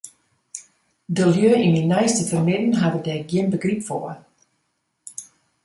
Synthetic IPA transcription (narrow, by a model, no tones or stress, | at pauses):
dəljøːininɛjstəfərmɪdən̩ɦadədɛɡjɪnbəɡripfoə